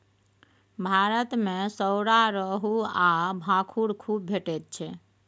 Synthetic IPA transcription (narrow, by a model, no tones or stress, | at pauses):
bʱaɾət̪mesəwɽaɾəɦuabʱãkʰuɽkʰub̚ːʱeʈet̪̚t͡ʃʰɛ